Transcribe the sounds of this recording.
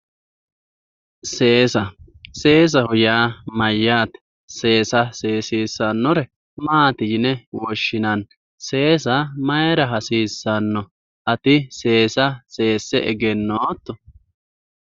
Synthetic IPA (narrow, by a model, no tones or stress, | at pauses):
seːsɐse̞ːs̬ɐhʊjaːmɐjːaːt̪ɛ̥ | se̞ːsɐseːsiːsːɐnːɔɾɛ | maːt̪ɪjɪnɛwɔʃːɪnɐn | se̞ːsɐmɐjɛɾɐɦɐsiːsːɐnːɔ | ʔɐt̪ɪse̞ːsɐse̞ːsːɛɛ̰ɡɛnːoːt̪ːɔ